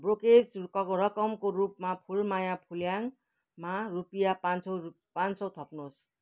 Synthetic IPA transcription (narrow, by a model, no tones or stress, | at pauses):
broked͡zkʌɾʌkʌmkoɾupmapʰulmajapʰuljaŋ | marupijapant͡sʌ | pansʌwt̪ʰʌpnos